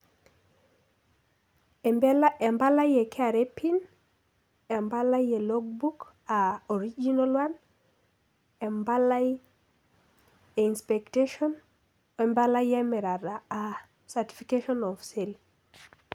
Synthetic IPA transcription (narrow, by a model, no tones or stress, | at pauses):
blaɛmbalajɛkʰɛaɾepʰin | ɛmbalajelɔɡ̚buk | aɔɾid͡ʒinalwan | ɛmbalaj | einspekteʃɔn | ɛmbalajɛmɛɾaɾaa | sati̥fikeʃɔnɔfsel